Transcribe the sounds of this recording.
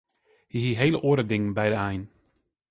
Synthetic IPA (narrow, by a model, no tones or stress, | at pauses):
hiɦiɦejləʔoəɾədɪŋənbɛjdəɛjn